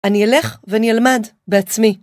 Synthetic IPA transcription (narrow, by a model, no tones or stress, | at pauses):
aniele̞χveanialmad | beat͡smi